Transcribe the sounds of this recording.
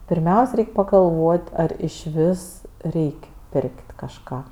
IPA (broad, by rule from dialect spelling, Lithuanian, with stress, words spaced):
pʲɪrʲˈmʲɛʊsʲ ˈrʲɛɪkʲ pɐɡɐlˠˈʋoːtʲ ˈɐr ɪʃʲˈʋʲɪs ˈrʲɛɪkʲ ˈpʲɪrʲkʲtʲ kɐʃˈkɑː